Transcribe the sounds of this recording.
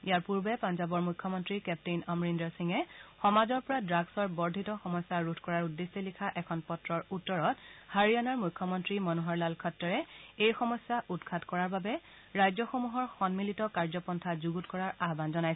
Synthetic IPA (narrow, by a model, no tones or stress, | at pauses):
ijaɹpuɹbɛpanzabɔɹmujkʰːɔmɔntɹikɛp̚tenɔmɹindɔsiŋɛxɔmazɔɹpɔɹadɹaɡsɔɹbɔɹdʱitɔxɔmɔsaɹutʰkɔɹaɹudːesilikʰaʔɛkʰɔnpɔtɹɔɹutːɔɹɔthaɹianaɹmujkʰːɔmɔntɹimɔnuɦaɹlalkʰɔtːɔɹɛejxɔmɔsjaʔutkʰatkɔɹaɹbabɛ | ɹajzɔxomuɦɔɹxɔnmilitɔkaɹzɔpɔntʰazuɡutkɔɹaɹaɦbanzɔnajs